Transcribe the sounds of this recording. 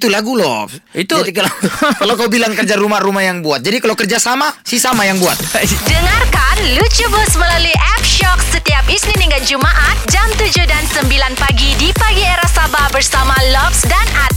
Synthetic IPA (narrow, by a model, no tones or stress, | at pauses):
t̪ulaɡulɔfit̪ud͡ʒadiklakalawkawbilaŋkərd͡ʒaɾumarumahjaŋbuat̪̚d͡ʒadikalawkərd͡ʒasamasisamajaŋbuat̪̚dəŋarkanlut͡ʃubʊsməlaluiʔɛp̚ʃɔksət̪iapisniniŋɡad͡ʒumaʔat̪̚d͡ʒamt̪ud͡ʒuhdansəmbilanpaɡidipaɡieɾasabahbərsamalɔfsdanat̪̚